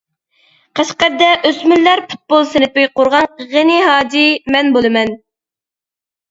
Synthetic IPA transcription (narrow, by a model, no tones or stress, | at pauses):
qʰɑʃqɛɾ̚d̪ɛʔøsmylːæɾpʰu̥t̪̚bolˠsɪnɪpɪjqoɾʁɑnʁeniɦɑːd͡ʒ̪imɛnbolˠɨmɛn